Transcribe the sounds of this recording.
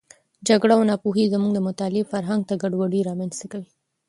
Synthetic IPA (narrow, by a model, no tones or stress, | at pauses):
d͡ʒaɡɽaːwnɑpoɦizəmuɡd̪əmʊt̪ɑlefaɾɦaŋɡ̚t̪aɡaɖwaɖiɾɑmanst̪akawi